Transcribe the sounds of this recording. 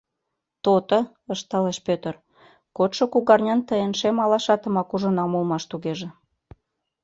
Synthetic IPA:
t̪ot̪ə̆ | əʃt̪ɑleʃpʲøt̪ə̆r | kot̪ʃŏkuɣɑrnʲɑnt̪əenʃemɑlɑʃɑt̪ə̆mɑkuʒə̆nɑmulmɑʃt̪uɣeʒĕ

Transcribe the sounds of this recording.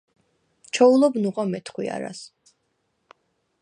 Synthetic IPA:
t͡ʃʰɔulˠɔbnuqʼɔmɛt̪ʰχwḭa̰ɾa̰s

